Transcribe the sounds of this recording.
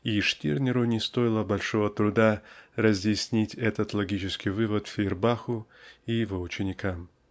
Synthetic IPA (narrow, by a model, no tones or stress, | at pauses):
iʂtʲirnʲɪɾʊnʲɪst̪o̞jɪlˠəbɐlʲʂovət̪ɾʊd̪arəzʲjɪsʲnʲitʲɛt̪ət̪lˠɐɡʲit͡ɕɪskʲɪjvɨvət̪fʲɪɪrbaxʊijɪvo̞ʊt͡ɕɪnʲɪkʰam